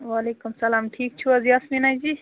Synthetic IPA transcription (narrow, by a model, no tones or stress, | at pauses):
ʋalekumsɐlaːmʈʰiːk̚t͡ʃʰuɐziɐsminajd͡ʒi